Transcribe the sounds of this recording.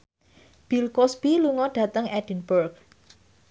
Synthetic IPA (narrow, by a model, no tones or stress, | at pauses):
b̥ilkosb̥iluŋɔɖ̥a̤t̪əŋɛd̥i̤nburɡ